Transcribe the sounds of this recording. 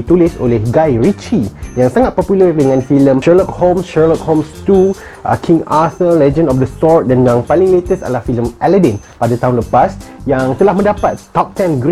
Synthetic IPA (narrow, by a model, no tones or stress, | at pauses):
t̪ulɪso̰lɪhɡajɹit͡ʃijãŋsaŋat̪̚pɔpjulərdəŋãnfilə̃mʃɛlɔk̚hõmsʃɛlɔk̚hõmst̪u | ʔa̰kʰĩŋasəllɛd͡ʒə̃ndɔfdəsɔt̪̚dɛ̃ndãŋpalĩŋlet̪əsa̰dəlahfilə̃mʔɛlədɛ̃npadat̪aɦʊ̃nləpasjãŋt̪əlahmə̃ndapat̪ːɔp̚t̪ɛ̃nɡɾ